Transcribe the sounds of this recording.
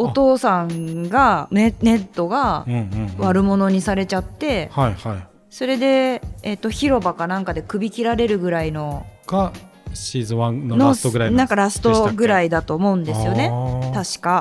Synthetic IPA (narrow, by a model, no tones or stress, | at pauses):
o̞t̪o̞ːsãŋɡanne̞t̪ːo̞ɡaɯ̃βaɾɯ̟mo̞no̞ɲ̟isaɾe̞t͡ɕat̪ːe̞haihai | so̞ɾe̞d̪e̞ːt̪ːo̞çiɾo̞bakanãŋkad̪e̞kɯ̟bʲikʲiɾaɾe̞ɾɯ̟ɡɯ̟ɾaino̞ɡ̥a | ɕiːzɨβãnonot̪oɡɯ̟ɾainãŋkaɾasɨ̥t̪o̞ɡɯ̟ɾaid̪at̪o̞ːmo̞ɯ̟̃nd̪esɨjo̞ne̞t̪aɕi̥ka